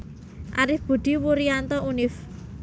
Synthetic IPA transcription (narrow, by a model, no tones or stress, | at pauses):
ʔaɾɪfb̥ṳɖ̪̥i̤wuɾiant̪ɔʔunɪf